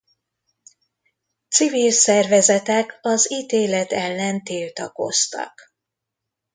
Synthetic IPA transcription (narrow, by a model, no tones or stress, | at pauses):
t̪sivilsɛrvɛzɛt̪ɛkɒziːt̪eːlɛt̪ɛlːɛnt̪iːlt̪ɒko̞̰st̪ɒ̰k